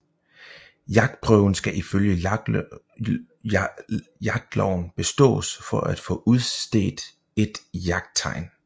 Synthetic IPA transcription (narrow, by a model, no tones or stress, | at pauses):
jɑ̈ɡ̥̚d̥̚pʰʁœʊn̩sɡ̥æʔiføljə | jɑ̈ɡ̥̚d̥lɒʊn̩b̥e̝sd̥ɔ̰̽ːsfɒ̽ʔæd̥fɔ̰̽ːʔuð̞ˠssd̥e̝̰ːd̥ | e̝d̥jɑ̈ɡ̥̚d̥̚t͡sʰɑ̈ɪ̰n